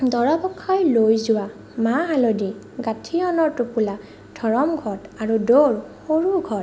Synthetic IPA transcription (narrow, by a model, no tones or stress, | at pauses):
dɔɹapɔkʰːajlojzʊwa | maɦalodi | ɡatʰiɔnɔɹtupula | dʱɔɹɔmɡʱɔtaɹudoɹxoɹuɡʱɔt